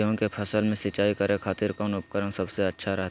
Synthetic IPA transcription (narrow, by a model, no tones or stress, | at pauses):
jõkepʰɐsəlmẽsɪt͡ʃaːikɐɾẽkʰaːt̪ɪɾkaʊnʊp̚kəɾəmsɐbseɐtːʃʰaɾɐɦt̪